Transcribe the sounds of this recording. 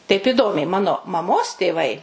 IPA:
tɐɪp ɪˈdoːmʲɛɪ ˈmɑːnoː mɐˈmoːs tʲeːˈʋɐɪ

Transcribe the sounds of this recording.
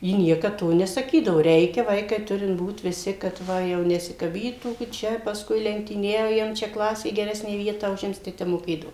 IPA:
ˈjɪ ˈnʲiɛkɐt ˈtoː nʲɛsɐˈkʲiːdɐʋoː ˈrʲɛɪkʲɛ ˈʋɐɪkɐɪ ˈtʊrʲɪnt ˈbuːt ʋʲɪˈsʲɪ kɐt ˈʋɐ jɛʊ nʲɛsʲɪkɐˈbʲiːtuː ɡʲɪ ˈt͡ʃʲɛ pɐsˈkʊɪ lʲɛŋktʲiːˈnʲɛʊjɛm t͡ʃʲɛ ˈklˠɑːsʲeː ɡʲɛˈrʲæːsʲnʲæː ˈʋʲiɛtɑː ʊˈʒʲɪms tɐɪ ˈtʲɛp moːˈkʲeːdɐʋoː

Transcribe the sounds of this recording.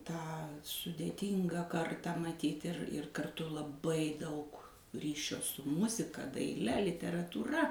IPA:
tɑː sʊdʲeːˈtʲiːŋɡɑː ˈkɐrtɑː mɐˈtʲiːtʲ ɪr ɪr kɐrˈtʊ lˠɐˈbɐɪ ˈdɐʊk ˈrʲiːʃʲoː sʊ ˈmʊzʲɪkɐ dɐɪˈlʲɛ lʲɪtʲɛrɐtuːˈrɐ

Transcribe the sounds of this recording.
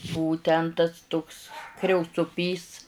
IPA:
ˈbʊʋʊ ˈtʲɛn tɐs tʊks krʲɛʊt͡sʊˈpʲiːs

